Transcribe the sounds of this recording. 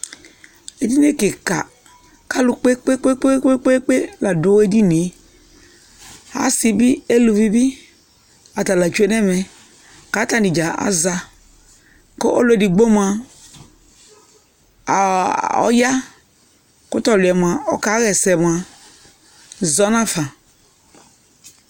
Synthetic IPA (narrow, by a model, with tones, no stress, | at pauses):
e˨di˦n˦e˦˨ke˨ka̰˨ | ka˦lu˧k͡pe˦k͡pe˦k͡pe˦k͡pe˦k͡pe˦k͡pe˦k͡pe˦la˨do˨˦e˦di˦ni˨˦ | a̰˨˦si˦bi˦e˦lu˧vi˦bi˦ | a˨ta˨la˨t͡ʃu˦e˦nɛ˦mɛ˨ | ka˨˦ta˦˨di˨d͡ʒa˨a̰˦za˧ | ko˦ʔo̰˦lo˨˦˨di˨ɡ͡bo˦mu˨a˨ | ɔ̰˦ja˦ | kʊ˦tɔ˦˨lʊ˨ɛ˨mu˨a˨ɔ˨ka˨˦ɣɛ˨sɛ˨m˨a˨ | zɔ˦nã˦fa˨